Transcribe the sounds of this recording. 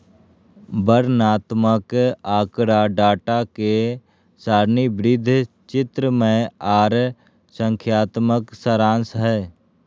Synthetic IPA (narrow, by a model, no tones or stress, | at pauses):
bəɾnaːt̪məkaːkɾaɖaːʈake | saːɾnibɾɪd̪ʱ | t͡ʃɪt̪ɾəmẽaːɾ | sə̃ŋkʰjaːt̪məksəɾãːnsɦɛː